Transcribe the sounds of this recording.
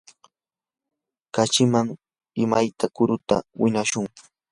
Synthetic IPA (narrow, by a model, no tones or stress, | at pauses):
kat͡ʃɪmaŋ | ɪmajt̪akʊɾʊt̪a̰wɪɲaʃʊŋ